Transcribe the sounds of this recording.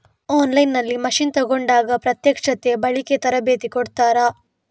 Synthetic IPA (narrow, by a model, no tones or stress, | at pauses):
oːnlɐjnːɐlːimɐʃint̪ɐɡo̞ɳɖaːɡɐpɾɐt̪jɐkʂɐt̪ebɐɭiket̪ɐɾɐbe̞ːt̪ikoɽt̪aːɾɐ